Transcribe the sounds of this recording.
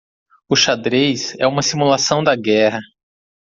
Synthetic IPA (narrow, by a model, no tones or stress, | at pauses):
ʊʃad̪ɾejsɛ̰ũmɐsimulasɐ̃w̃d̪ɐɡɛhɐ